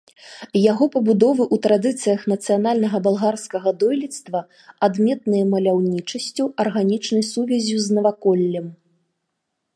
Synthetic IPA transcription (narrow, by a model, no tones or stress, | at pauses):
jaɣɔpɐbud̪ɔvɨʔut̪ɾad̪ɨt̪sɨjɐxnɐt̪sɨjanalʲnɐɣɐbalˠɣarskɐɣɐd̪ɔjlʲit̪st̪vɐ | ad̪mʲɛt̪nɨjɐmɐlʲawnʲit͡ʂɐsʲt͡sʲuɐrɣanʲit͡ʂnɐjsuvʲɛzʲuznɐvakɔlʲːɐm